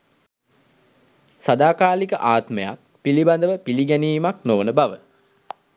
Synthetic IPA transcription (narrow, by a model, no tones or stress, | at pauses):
sad̪aːkaːlikəʔaːt̪məja̰k̚piliband̪əʋəpiliɡɛniːmaknoʋənəbaʋə